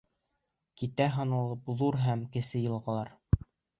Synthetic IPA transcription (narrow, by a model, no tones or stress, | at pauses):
kit̪æɦɑ̆nɑlˠɤpðuɾɦæmkɘ̆sɘjɤ̆lˠʁɑ̆lˠɑɾ